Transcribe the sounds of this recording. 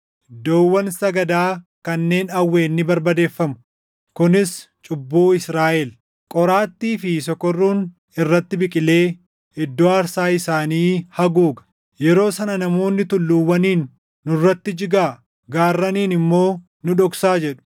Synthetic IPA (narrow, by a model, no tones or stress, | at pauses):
d̪oːwːɐnsɐɡɐd̪aːkɐnːe̞ːnɐwːe̞ːnːɪbɐɾbɐd̪e̞ːfːɐmʊ | kʊnɪs | t͡ʃʼʊbːuːɪsɾaːʔɛl | kʼɔɾaːt̪ːiːfɪsɔkːɔrːuːn | ɪrːɐt̪ːɪbɪkʼɪle̞ː | ɪd̪ːoɐɾsaːɪsaːniːhɐɡuːɡɐ̥ | jɛɾo̞ːsɐnɐnɐmo̞ːnːɪt̪ʊlːuwːɐniːnː | ʊrːɐt̪ːɪd͡ʒɪɡaː | ɡaːrːɐniːnɪmːo̞ː | nʊᶑɔksaːd͡ʒɛᶑʊ̥